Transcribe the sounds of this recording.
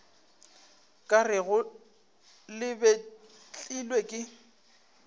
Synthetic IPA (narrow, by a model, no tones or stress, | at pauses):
kʼarɪɣʊ | lɪbe | t͡ɬʼilwekʼɪ